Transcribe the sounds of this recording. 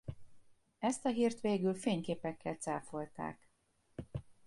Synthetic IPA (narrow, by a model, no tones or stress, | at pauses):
ɛst̪ɒɦiːrt̪ʋeːɡylfeːɲkeːpɛkʰːɛlt̪saːfo̞lt̪a̰ːk